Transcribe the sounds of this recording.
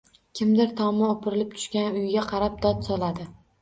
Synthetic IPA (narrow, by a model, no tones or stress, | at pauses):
kʲʰɪmd̪ɪɾt̪ʰɒmɪopʰɪɾɪlɪp̚t̪ʰʊ̥ʃkʲanʊjɪɡʲaqʰɑɾap̚d̪̥ɒt̪sɒlˠad̪ɪ